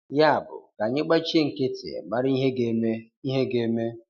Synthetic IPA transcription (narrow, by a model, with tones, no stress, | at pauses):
ja˦a˨bʊ̰˨ka˨ɲɪ˦k͡pa˦t͡ʃe˦ŋ̩˨kɪ˦tɪ̰˨ma˦ɾi˦ɦe˦ɡe˦e˦ | i˦ɦe˦ɡe˨˦me˦